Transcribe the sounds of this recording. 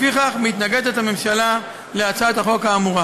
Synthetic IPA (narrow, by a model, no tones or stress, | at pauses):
fiχaχmit̪naɡe̞d̪et̪ame̞mʃala | leat͡saet̪aχo̞kaːmuʁa